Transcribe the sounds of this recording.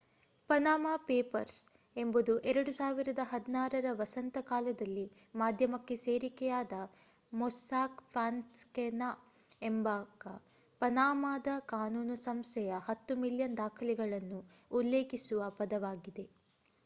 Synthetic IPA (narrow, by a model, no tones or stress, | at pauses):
pɐnaːmapeːpɐɾs | e̞mbud̪uʔɛɾɐɽusaːʋiɾɐd̪ɐɦɐd̪inaːɾɐɾɐʋɐsɐnt̪ɐkaːlɐd̪ɐlːi | maːd̪ʱjɐmɐkːe̞seːɾikɛjaːd̪ɐ | mɔsaːkpʰaːnskɛnaembaːkɐ̰ | pɐnaːmaːd̪ɐkaːnuːnusɐmst̪ɛjɐhɐt̪ːumiljɐnd̪aːkʰɐlɛɡɐɭɐnːuːlːeːkisuʋɐpɐd̪ɐʋaːɡid̪e̞